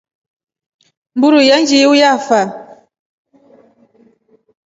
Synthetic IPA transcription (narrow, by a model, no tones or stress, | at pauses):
m̩buɾujand͡ʒiujafa